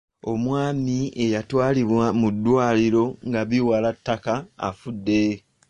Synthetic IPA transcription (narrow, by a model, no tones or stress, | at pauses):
o̞mwaːmie̞jatwaːliβwamudːwaːliɾo̞ŋɡaβiwalatːaka̰ːfudːe̞